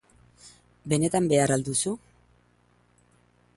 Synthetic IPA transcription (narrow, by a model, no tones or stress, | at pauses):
be̞ne̞t̪ambe̞aɾald̪usu